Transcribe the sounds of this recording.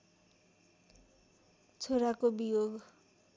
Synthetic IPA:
t͡sʰoɾakobijoɡ

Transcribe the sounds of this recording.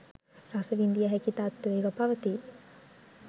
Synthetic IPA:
ɾasəʋind̪ijəɦɛkit̪aːt̪ːueːɡɐpaʋət̪i

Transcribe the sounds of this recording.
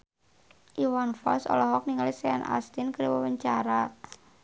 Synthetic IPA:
ʔiwanfɔ̰lsɔ̰lɔɦɔk̚niŋalisɛanʔa̰st̪inkəɾwəwəɲt͡ʃaɾa

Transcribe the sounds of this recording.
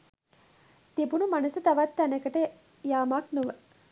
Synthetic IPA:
t̪ibunumɐnɐsut̪ɐʋat̪ːɐnɐkəʈə | jaːmaːknuʋə

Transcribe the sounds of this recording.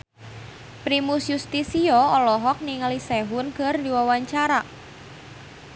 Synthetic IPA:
pɾimusjust̪isiɔɔlɔɦɔk̚niŋalisɛɦʊnkərdiwawaɲt͡ʃaɾa

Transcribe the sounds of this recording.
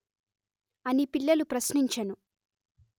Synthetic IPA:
ɐnipiɭːɐlupɾɐsniɲt͡ʃɐnu

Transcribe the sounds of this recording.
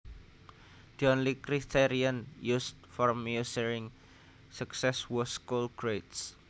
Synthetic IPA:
d̪̥iɔnlikɾit̪ʰeɾiənjust̪̚fɔrmiusəɾɪŋ | suksɛswuskulɡ̥ɾejts

